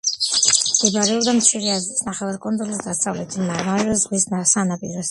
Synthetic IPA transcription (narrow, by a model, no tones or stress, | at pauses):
d̥̪ɛbaɾɛɔd̪amt̪t͡ʃʰiɾiazɾit̪sʰnaχɛvaɾkʼɔnd̪zɔlisd̪asavlɛt̪ʰimamaɾvɛzʁwisnasanapʼḭɾɔs